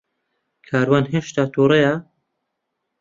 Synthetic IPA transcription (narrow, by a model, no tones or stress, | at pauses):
kʰaːɾwaːnɦeːʃt̪aːt̪ʰuːɾeja